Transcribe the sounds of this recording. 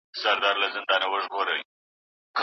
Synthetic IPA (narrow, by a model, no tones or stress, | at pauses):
saɾd̪ɑɾlazɪnd̪ɑnawəʒɣoɾəj | k